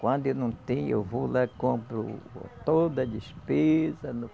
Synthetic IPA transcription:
kwɐ̃nd̪ʊenɐ̃w̃t̪ẽj̃ḛwvolakõmpɾʊt̪od̪ɐd̪iʃpezɐnʊ

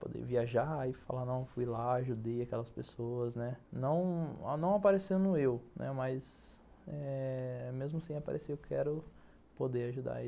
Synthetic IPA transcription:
po̰d̪ḛviaʒaifa̰lanɐ̃w̃fujlaːʒud̪ejakɛlɐspesoɐznɛnɐ̃w̃nɐ̃w̃apaɾesewnʊewnʔɛ̰maz | ɛmezmʊsẽapa̰ɾʔeseewkʰɛ̰ɾʊ | pod̪eaʒud̪a̰i

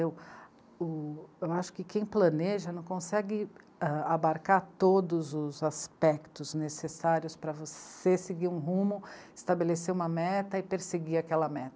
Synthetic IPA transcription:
ew | ʊewaʃʊ̥kɪkẽj̃plɐ̃neʒɐnɐ̃w̃kõsɛɡɪ | ɛabaɾkaɾt̪od̪ʊzʊzaspɛkt̪ʊznesesaɾiʊspɾɐvoseseɡiɾũɦũmʊɪst̪abeleseũmɐmɛt̪ɐɪpeɾseɡiakɛlɐmɛt̪ɐ

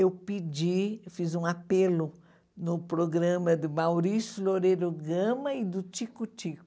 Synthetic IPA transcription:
ewpid͡ʒifizũapelʊ | nʊpɾoɡɾɐ̃mɐd̪ɪmawɾisʊloɾeɾʊɡɐ̃mɐɪd̪ʊt͡ʃikʊt͡ʃikʊ

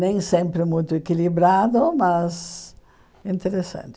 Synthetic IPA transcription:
nẽj̃sẽmpɾɪmũjt̪ʊekilibɾad̪ʊmɐz | ĩnt̪eɾesɐ̰̃nt͡ʃ̪ɪ

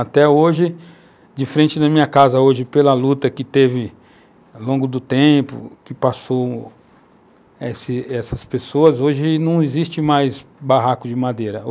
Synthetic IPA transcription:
at̪ɛoʒɪ | d͡ʒɪfɾẽnt͡ʃɪd̪ɐmĩɲɐkazɐoʒɪpelɐlut̪ɐkɪt̪evɪ | lõɡʊd̪ʊt̪ẽpʊ̰kɪpaso | esɪɛsɐspesoɐzoʒɪnɐ̃w̃ɪzist͡ʃɪmajzbaɦakʊd͡ʒɪmad̪eɾɐ

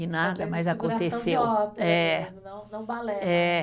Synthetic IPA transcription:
inad̪ɐmɐjzakõt̪esewɛ | ɐ̃wlɛ

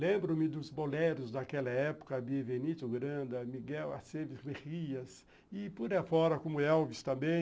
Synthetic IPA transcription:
lẽmbɾʊmɪd̪ʊzboleɾʊzd̪ɐkɛlɐɛpʊ̥kɐbievenit̪ʊɡɾɐ̃d̪ɐmiɡɛwa̰sevɪsmeʁiɐs | ɪpuɾɐfɔɾɐkõmʊɛwvɪst̪ɐ̃mbẽj̃

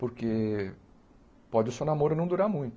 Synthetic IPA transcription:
poɾke | pɔd͡ʒɪʊsewnamoɾʊnɐ̃w̃d̪uɾaɾmũj̃t̪ʊ

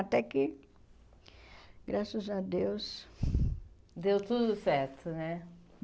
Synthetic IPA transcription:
at̪ɛkɪ | ɡɾasɐzad̪ews | d̪ewt̪ud̪ʊsɛɾt̪ʊnɛ

